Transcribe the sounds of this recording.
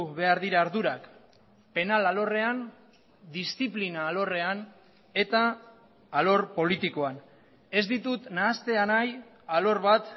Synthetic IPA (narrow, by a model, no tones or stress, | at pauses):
βe̞aɾðiɾaːɾðuɾak | pe̞nalalo̞re̞an | d̪ist̪iplinaːlo̞re̞an | e̞t̪aː | lo̞ɾpo̞lit̪iko̞an | e̞zd̪it̪ut̪naːst̪e̞anaj | alo̞ɾβat̪